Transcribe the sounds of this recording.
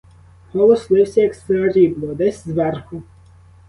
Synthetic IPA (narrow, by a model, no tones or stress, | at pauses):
hɔlˠɔslˠɪwsʲɐjɐkseɔɾʲiblˠɔd̪ɛsʲzʋɛrxʊ